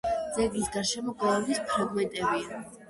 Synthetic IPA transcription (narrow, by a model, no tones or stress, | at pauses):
d̪zɛɡisɡaʃɛmɔɡʼɔlɛbispʰɾaɡmɛnt̪ʼɛbia